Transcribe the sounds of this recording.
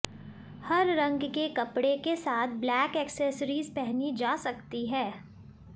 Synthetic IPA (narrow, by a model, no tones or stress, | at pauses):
hɐɾɾɐ̃ŋɡkekɐpɽekesaːt̪̚ʰblɛːkɛːkseːsɾiːzpɛɦnid͡ʒaːsɐkt̪iɦɛː